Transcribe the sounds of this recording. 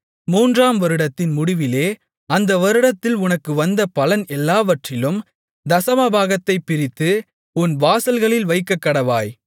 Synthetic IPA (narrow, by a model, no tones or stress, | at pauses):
muːndraːmʋɐɾɯɽɐt̪ːɪnmʊɽɪʋɪleː | ɐnd̪ɐʋɐɾɯɽɐt̪ːɪlʊnɐkːɯʋɐnd̪ɐpɐlɐnɛlːaːʋɐʈrɪlɯm | d̪ɐsɐmɐbʱaːɣɐt̪ːɐɪpːɪɾɪt̪ːɯ | ʊnʋaːsɐlɣɐɭɪlʋɐɪkːɐkːɐɽɐʋaːj